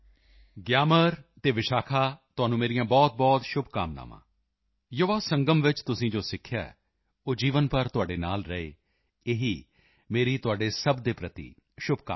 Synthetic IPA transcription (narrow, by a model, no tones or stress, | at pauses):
ɡjaːməɾt̪eːʋɪʃaːkʰaːt̪ʊɦaːnũːmeːɾɪjãːbɔːt̪̚bɔːt̪ʃʊbʱka̰ːmna̰ːmã̰ː | joːʋaːsəŋɡəmʋɪt͡ʃt̪ʊsĩːd͡ʒoːsɪkʰːjaːɛ̰ː | oːd͡ʒiːʋənpəɾt̪ʊaːɖeːna̰ːlɾəḛː | eːɦiː | meːɾiːt̪ʊaːɖeːsəbd̪eːpɾət̪ḭː | ʃʊb̚ka̰ː